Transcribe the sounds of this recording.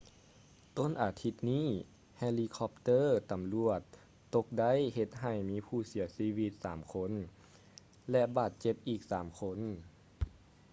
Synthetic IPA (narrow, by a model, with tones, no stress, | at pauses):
t̪o˧˥˨nʔaː˨˩t̪ʰi˧˥t̪̚niː˥˨ | hɛ˧liː˧kʰɔ˧p̚t̪ɤː˧˥˨t̪a˨˦mlu˧˨˩ət̪̚ː | o˧k̚da˧˥˩jhe˧t̪̚ɦa˨˩jmiː˦˥pʰuː˧˩si˨˩˦ɐsiː˧˥wi˧t̪̚saː˩˦mkʰo˧˥n | lɛ˧baː˨˩t̪̚t͡ɕe˧˦p̚ʔiː˨˩k̚saː˩˦mkʰo˧˥n